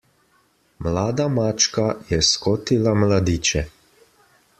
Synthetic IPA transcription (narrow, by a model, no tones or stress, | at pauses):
mlaːd̪amaːt͡ʃkajɛskoːt̪ilamlad̪iːt͡ʃɛ